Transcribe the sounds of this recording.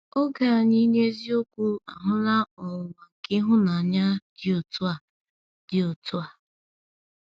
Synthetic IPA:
o˦ɡa˨a˨ɲi˦ɲe˦zi˦o˦kʷu˦a̰˨ɦʊ˦la˦ɔ˨wa˨kɪ˦ɦʊ˦na˨ɲa˦d̥ɪ˦o˨tʊ˦a˨ | d̥ɪ˨o˨tʊ˦a˨

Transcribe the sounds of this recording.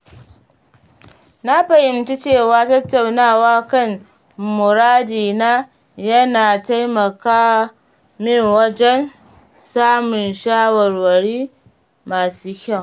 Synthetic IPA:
na˦ɸɐ˨jɪ˦mti˦t͡ʃeː˦˨waː˦tɐ˦tːa˨wnaː˦˨waː˦kɐ˦˨n | mʊ˨ɾaː˦diː˨naː˦ | jɐ˦naː˨ta˦jmɐ˨kaː˦ | mɪ˦˨ŋwɐ˦d͡ʒɛ˦n | saː˦mʊ˨nʃaː˦wɐ˨rwɐ˨ɾiː˦ | maː˨suː˦kʲɐ˦˨

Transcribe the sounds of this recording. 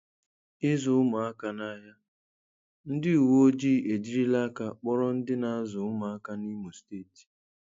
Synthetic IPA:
ɪ˦zʊ˨ʊ˦mʊ˨a˦ka˨na˦ɦa˦ | n̩˦dɪ˦u˨wo˦o˦d͡ʒiː˦˨e˨d͡ʒi˦ɾi˦la˦ka˦k͡pɔ˦ɾɔ˦n̩˦dɪ˦na˨a˦zʊ˨ʊ˦ma˨a˦ka˦ni˦mu˨steː˦˨ti̥˨

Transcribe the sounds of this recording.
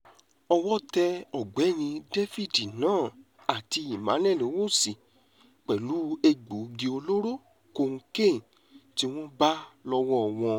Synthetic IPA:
ɔ˧wɔ˦tɛ˧ɔ˨ɡ͡bɛ˨˦˨nĩ˧de˦fi˦˨di˨nãː˦˨ | a˨ti˧i˨mã̰˨˦nɛ̃˦˨lo˨˦wo˦˨si˨ | k͡pɛ˨lu˨˦e˧ɡ͡bo˨˦ɡi˧o˧lo˦ɾo˦˨ | ko˧˨ŋ̩˧kẽ˦˨n˨ | ti˦w̃ɔ̃˦ba˦lɔ˧wɔ̃˦ɔ˨w̃ɔ̃˧

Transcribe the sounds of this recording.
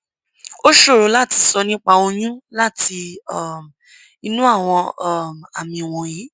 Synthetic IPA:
o˦ʃo˦˨ɾo˨˦la˦˨ti˧sɔ˧nĩ˦k͡pa˧o˧j̃ũ˦la˦˨ti˧ɔ˦˨m | i˧nũ˦a˦˨w̃ɔ̃˧˦˨ma̰˨mĩ˨w̃ɔ̃˧ji˨˦

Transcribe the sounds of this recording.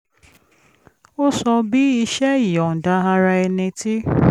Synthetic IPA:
o˦sɔ˧bi˦i˧ʃɛ˦i˨ɔ˨n̩˨da˧˦ɦa˧ɾa˧ɛ˧nĩ˧ti˦

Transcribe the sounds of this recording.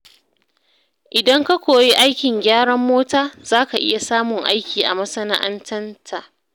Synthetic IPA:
ʔɪ˨dɐ˦ŋka˦kʷoː˨ji˦ʔa˦jkʲɪ˨ŋɡʲaː˦ɽɐ˦mːoː˦taː˦z̥aː˦ka˨ʔɪ̰˦ja˨saː˦mʊ˨ŋʔa̰˦jkʲiː˨ʔa̰˨mɐ˦sɐ˦na̰˦ʔa̰˦ntʰɐ˦ntʰa˨ʔ

